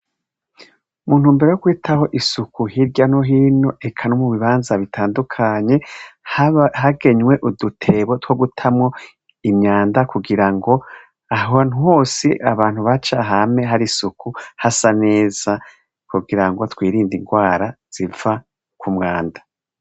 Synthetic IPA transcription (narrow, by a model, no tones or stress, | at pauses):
muːn̥huːmbeɾejokwiːtʰaho̞ʔisukuhiɾɟano̞ɦiːno̞ʔe̞kʰanomuβiβaːnzaβitʰaːndukʰaɲe̞hɦaɡe̞ɲwe̞ʔudutʰe̞βo̞two̞ɡutʰamŋo̞ | imɲaːndakuɡiɾaŋɡo̞ | aɦoan̥huho̞ːsiʔaβaːn̥huβat͡ʃaɦame̞ɦaɾisukuhasane̞ːz̥a | kuɡiɾaŋɡo̞twiːɾiːndiŋɡwaːɾaz̥iva | kʰumŋaːndḁ